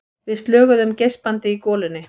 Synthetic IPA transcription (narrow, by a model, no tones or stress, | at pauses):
vɪðst̪lœːɣʏðʏmcejspant̪ɪikɔːlɪnːɪ